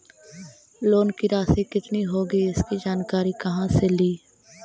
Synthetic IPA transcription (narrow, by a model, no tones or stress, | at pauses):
loːnkiɾaːsekɪt̪niɦoːɡiɪskid͡ʒaːnkaːɾikɐɦãseliː